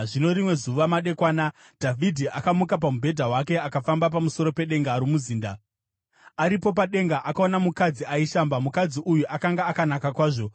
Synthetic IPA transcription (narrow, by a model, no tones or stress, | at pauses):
ʐino̞ɾimwe̞zuʋamaɗe̞kwaːna | d̥ʱavʱidʱiʔakamukap̬amubʱe̞dʱaɦwake̞akafambap̬amuso̞ɾo̞pe̞ɗe̞ŋɡaɾumuziːnda | aɾipo̞p̬aɗe̞ŋɡaʔakaonamukad͡ziaiʃambamukad͡ziʔujuʔakaŋɡaːkanakakwaːʐo̞